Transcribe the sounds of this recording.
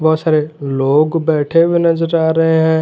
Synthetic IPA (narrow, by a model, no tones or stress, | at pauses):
bɔːt̪saːɾeloːɡbɛːʈʰebʱinɐzəɾaːɾɐɦeɦɛ̃ː